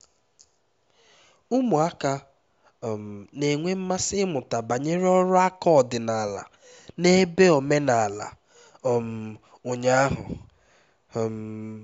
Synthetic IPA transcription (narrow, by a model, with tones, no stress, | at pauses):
ʊ˦mʊ˨a˦ka˦ | m̩˨ne˨ŋʷe˦m̩˦ma˦sɪ˦mʊ˨ta˨ba˨ɲe˦ɾɔ˦ɾʊ˦a˦kɔ˦˨dɪ˨na˨la̰˨ | ne˦be˦o˨me˦na˨la̰˨ | m̩˨ | ʊ˨ɲa˦a˦ɦʊ̰˨ | m̩˨